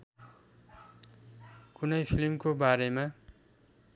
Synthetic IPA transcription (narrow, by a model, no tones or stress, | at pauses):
kunʌjpʰilmkobaɾema